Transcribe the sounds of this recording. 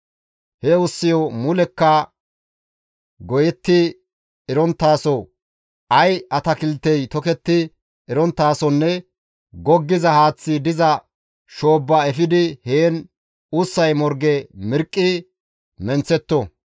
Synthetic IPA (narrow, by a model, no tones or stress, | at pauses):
hɛʊsːɪjɔmʊlɛkːɐ | ɡɔjɛt̪ːɪ | ɪɾɔnt̪ːaːsɔ | ʔɐjɐt̪ɐkɪlt̪ːɛjt̪ɔkɛt̪ːɪ | ɪɾɔnt̪ːaːsɔnːɛ | ɡɔɡːɪzɐhaːt͡sːɪd̪ɪzɐ | ʃoːbːɐɛfɪd̪ɪheːn | ʊsːɐjmɔɾɡɛmɪɾkʼːɪ | mɛnt͡sːɛt̪ːɔ